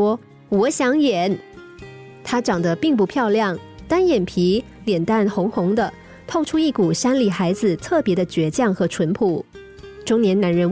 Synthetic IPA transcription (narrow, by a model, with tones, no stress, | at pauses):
ɔ˥ | wɔ˧˥ɕjɑ˧˥ŋjɛ˨˩n | t̪ʰa˥ʈ͡ʂɑ˨˩ŋd̪ə˦pi˥˧ŋp̬u˥˧pʰjɑ˥˧ʊljɑ˥˩ŋ | t̪a˥njɛ˨˩npʰi˧˥ | ljɛ˨˩nt̪a˥˩nxʊ˧˥ŋxʊ˧˥ŋd̪ə˧ | t̪ʰo˥˩ʊʈ͡ʂʰu˥i˥˩ku˨˩ʂa˥nli˨˩xa˧˥ɪd͡zɹ̩˧˨t̪ʰɤ˥˩pjɛ˧˥d̪ə˧t͡ɕɥɛ˧˥t͡ɕjɑ˥˩ŋxɤ˧˥ʈ͡ʂʰwə˧˥npʰu˨˩ | ʈ͡ʂʊ˥ŋnjɛ˧˥nna˧˥nɻə˧˥n